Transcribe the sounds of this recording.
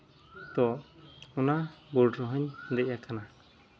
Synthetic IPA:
t̪ɔʔɔnabɔɾɖɾɔɦəɲd̪ɛjakana

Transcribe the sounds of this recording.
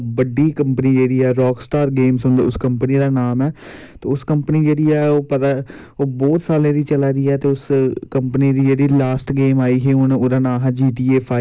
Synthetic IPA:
ʋəɖiːkəmpəniːd͡ʒeːɽiːɛːɾɔːksʈaːɾɡeːmsʊnd̪ʊskəmpəniːd̪aːnaːmɛːt̪eːʊskəmpəniːd͡ʒeːɽiːɛːoːpət̪aː | oːbɔːt̪saːlẽːɾiːt͡ʃəlaːd̪iːɛːt̪eːʊskəmpəniːd̪iːd͡ʒeːɽiːlaːsʈɡeːmaːiːɦeːʊnoːɾaːnãːɦaːd͡ʒiːʈ̪iːeːpʰaː

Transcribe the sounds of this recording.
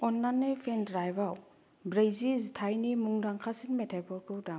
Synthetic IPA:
ɔnlanːejpʰendɾajbaw | bɾejzizitʰajnimuŋdaŋkʰasinmetʰapɔɾkʰuda

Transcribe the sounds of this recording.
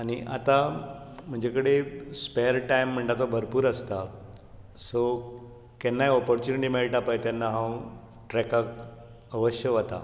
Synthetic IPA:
aɽ̃iʔa̰t̪a | m̤əɳd͡ʑekəɽespeɾʈajm̤ːəɳʈat̪obʱəɾpuːɾəst̪a | so | kɛnːajɔpɔɾt͡ɕuniʈimeɭʈapajt̪janːaɦãw̃ | ʈɾɛkak | əʋəɕjəʋət̪a̰

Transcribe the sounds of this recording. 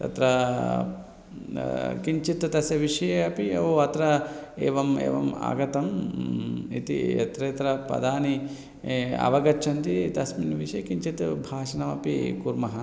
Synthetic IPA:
t̪ɐ̰t̪ɾɐ | kiɲt͡ʃit̪t̪ɐsjɐʋiʂɐeɐpiɐoɐt̪ɾɐeːʋɐmḛːʋɐma̰ːɡɐt̪ɐm | ḭt̪ḭɐ̰t̪ɾeːt̪ɾɐpɐ̰d̪aːni | ɐ̰ʋɐɡɐt͡ʃʰɐnt̪it̪ɐsminʋiʃjkiɲt͡ʃit̪bʱaːʃɐnɐmɐpḭkuɾmɐɦɐ

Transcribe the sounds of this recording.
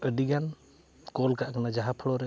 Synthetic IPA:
əɖiɡan | kɔlkaʔkanad͡ʒaɦapʰəɽɔɾɛ

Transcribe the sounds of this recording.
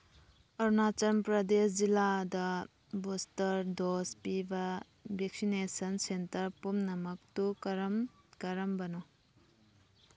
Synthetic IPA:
ɐɾnat͡ʃɐmpɾɐdesd͡ʒiladɐ | bustɐɾdospibɐ | bʱek̚sinesɐnsentɐɾpumnɐmɐk̚tukɐɾm | kɐɾɐmbɐnɔ

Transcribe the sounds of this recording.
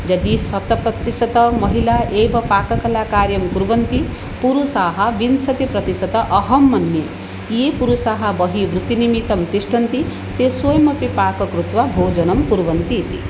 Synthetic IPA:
d͡ʒɐd̪isɐt̪ɐpɾɐt̪isɐt̪ɐmʌɦilaʔeːbɐpaːkɐkɐlakaːɾjɐmkuɾʋɐnt̪i | puɾusaːɦɐʋinsɐt̪ipɾɐt̪isɐt̪ɐʔɐɦɐmːɐnːje | jepuɾusaːɦɐbʌɦiʋbɾut̪inimit̪ɐmt̪isʈʰɐnt̪i | t̪eswojmɐpipaːkɐkɾut̪ʋabʱoːd͡ʒɐnɐmkuɾʋɐnt̪it̪ḭ

